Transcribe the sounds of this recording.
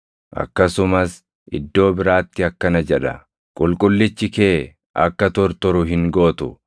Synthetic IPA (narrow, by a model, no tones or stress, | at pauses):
ʔɐ̰kːɐsʊmɐs | ʔɪ̰d̪ːo̞ːbɪɾaːt̪ːɪɐkːɐnɐd͡ʒɛᶑɐ | kʼʊlkʼʊlːɪt͡ʃːɪkeː | ʔɐ̰kːɐt̪ɔɾt̪ɔɾʊɦɪŋɡo̞ːt̪ʊ